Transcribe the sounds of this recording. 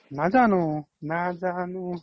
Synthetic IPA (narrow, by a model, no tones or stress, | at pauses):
nad͡ʒaːnu | nad͡ʒaːnu